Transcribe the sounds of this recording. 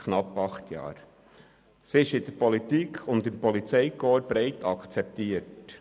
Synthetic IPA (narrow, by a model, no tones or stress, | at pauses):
kʰnɑpːɑχt̪ʰjɑ̰ːɾ | siɪʃɪd̥̪əɾpɔlit̪ikʰʊnd̪ɪmpɔlit͡sɛɪkoːɾb̥ɾɛɪtɑkt͡sɛp̚t̪iːət